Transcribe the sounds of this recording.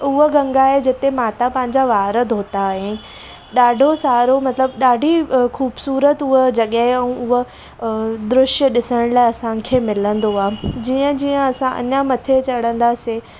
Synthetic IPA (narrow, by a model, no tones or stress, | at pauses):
ʊɦəɡɐ̃ŋɡaɦed͡ʑɪt̪emaːt̪apɐ̃ɦɪ̃ɲd͡ʑaʋaːɾəd̪ʱoːt̪aːɦe | ɗaːɖʱosaːɾomɐt̪ləbɗaːɖʱixuːbsuːɾət̪ʊɦd͡ʑɐɠəɦɛ̃ũʊɦə̆ | d̪ɾʊʃəɗɪsəɽ̃laːɪɐsãkʰeːmɪlə̃nd̪oaːɦed͡ʑiːə̃d͡ʑiːə̃ɐsãʔɐ̰ɲamɐt̪ʰet͡ɕɐɽ̤ə̃nd̪ase